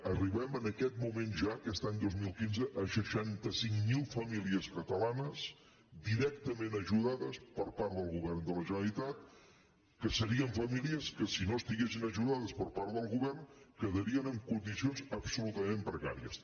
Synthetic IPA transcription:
əriβɛmənəkɛt̪̚mumenʒaəkɛst̪aɲd̪ozmilˠkinzəʔəʃəʃant̪əsiŋmilˠfəmiliəskət̪əlanəs | d̪iɾɛk̚t̪əmenəʒuðaðəspəɾpaɾt̪ðəlˠɣuβɛrnd̪ələʒənəlit̪at̪ | kəsəɾiəɱfəmiliəskəsinoəst̪iɣes̬inəʒuðaðəspəɾpaɾðəlˠɣuβɛrnkəðəɾiənəŋkund̪isionzəbsulut̪əmempɾəka̰ɾiə̰s

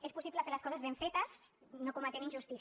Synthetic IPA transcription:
espusipləafeɾlɐskɔzazβeɱfet̪ɐsnokumat̪eninʒust̪is

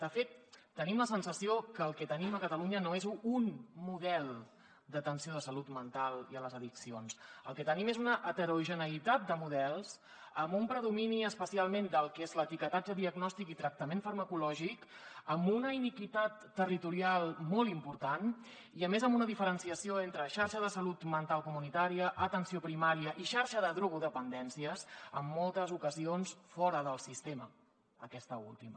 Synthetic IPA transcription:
d̪̥əfet̪ː | ənimləsənsəsiokəːlˠkɛt̪əniməkət̪əluɲənoezunmuðɛlˠ | d̪ət̪ənsioð̞əsəlut̪mənt̪alˠiələzəðiksionsəlˠkɛt̪ənimezunəʔːt̪əɾuʒənəit̪at̪̚d̪əmuðɛlˠz | əmumpɾəðuminiəspəsialˠmend̪əlˠkezlət̪ikət̪ad͡ʒəðiəɡnɔst̪ikit̪ɾək̚t̪əmenfəɾməkulɔʒikəmbunəinikit̪at̪ːərit̪uɾialˠmɔlˠimpuɾt̪an | iəmezəmbunəðifəɾənsiəsioent̪ɾəʃaɾʃəðəsəlut̪mənt̪alˠkumunit̪aɾiəʔət̪ənsiopɾimaɾiəʔiʃaɾʃəðəðɾuɣuðəpənd̪ɛnsiəsəmːɔlˠt̪əzukəzionsfɔɾəðəlˠsist̪emə | əkɛst̪əṵlˠt̪imə

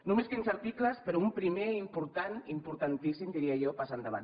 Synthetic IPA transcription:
numeskinsaɾt̪ikləspeɾoumpɾimeimpuɾt̪animpuɾt̪ant̪isimd̪iɾiaʒɔpasand̪aβ̞a̰n

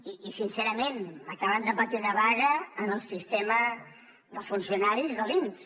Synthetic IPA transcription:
iːsinsɛɾəmenəkaβənd̪əpət̪iðəβaɾəːnəlˠsist̪emə | ðəfunsiunaɾizðəlins

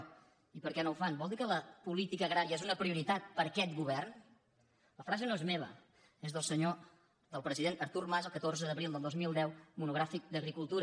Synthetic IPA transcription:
ipəɾkɛnowfanbɔlˠd̪ikələpulit̪ikəɣɾaɾiəezunəpɾiuɾit̪at̪̚pəɾəkɛt̪ɡuβɛrn | ləfɾazənoezmeβ̞ə̰ | ezðəlˠsəɲo | d̪əlˠpɾəziðent̪əɾt̪urmazəlˠkət̪orzəðəβɾilˠd̪əlˠozmilˠd̪ɛwmunuɣɾafik̚d̪əɣɾikulˠt̪uɾə

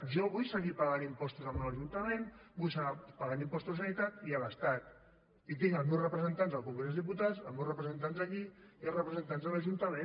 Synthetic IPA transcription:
ʒɔβujsəɣipaɣanimpɔst̪uzəmalaʒunt̪əmẽnbujsəapaɣand̪impɔst̪uzsanit̪at̪ialəst̪at̪̚ | it̪iŋəlzmewsrəpɾəzənt̪anzəlˠkuŋɡɾezðiput̪azəlˠmewsrəpɾəzent̪̬anzakiiəlrəpɾəzənt̪anzðələʒunt̪əme

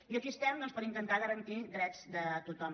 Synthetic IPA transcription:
iəsist̪ɛmd̪ɔnspəɾint̪ənt̪aɣəɾənt̪id̪ɾɛzd̪ət̪ut̪ɔm

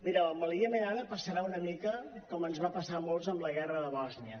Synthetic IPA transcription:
miɾəəməliəmeɣanəpəsəɾaunəmikəkɔmənzβapəsamolˠzəmləɣ̞ɛrəðəβɔzniə

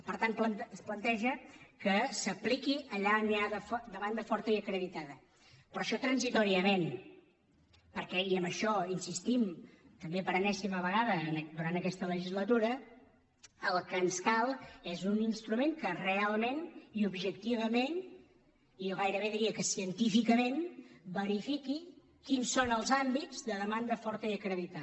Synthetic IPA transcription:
pəɾt̪anplənəsplənt̪ɛʒəkəsəplikiʔəʎaniaðəfɔd̪əmand̪əfɔɾt̪əiəkɾəðit̪aðə | pɾɔʃɔt̪ɾənzit̪ɔɾiəmen | pəɾkɛiəmbəʃɔinsist̪imt̪əmbepəɾənɛsiməβəɣaðəːnd̪uɾant̪əkɛst̪ələʒizlət̪uɾə | əlˠkənskalˠezuninst̪ɾumeŋkərealˠmeniubʒəkt̪iβ̞əmen | ijɔɣajɾəβeðiɾiəkəsiənt̪ifikəmenbəɾifiki | kinsonəlˠzambizd̪əðəmand̪əfɔɾt̪əiəkɾəðit̪a

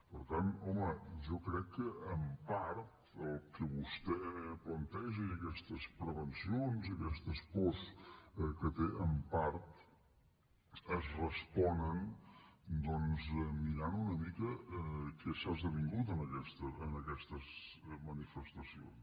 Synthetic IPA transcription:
pəɾt̪anɔməʒɔkɾɛkːəːmpaɾt̪ | əlˠkəβust̪ɛplənt̪ɛʒiəkɛst̪əspɾəβənsionzəkɛst̪əspɔskət̪eʔəmpaɾt̪ | əzrəspɔnən | d̪ɔnzmiɾanunəmikəkɛsazðəβiŋɡut̪̬ənəkɛst̪əːnəkɛst̪əzmənifəst̪əsio̰ns

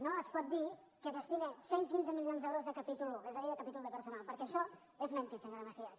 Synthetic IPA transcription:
noəspɔt̪̚d̪i | kəβəst̪iɣeseŋkinzəmilionzɛwɾozðəkəpit̪uluezəðiðəkəpit̪ulˠd̪əpəɾsunalˠpəɾkɛːʃɔ | ezmɛnt̪isəŋɡɾamətias

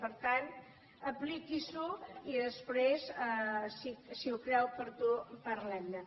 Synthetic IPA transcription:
pəɾt̪an | əplikizuiðəspɾezasisiukɾɛwpəɾt̪upəɾlɛmd̪ə

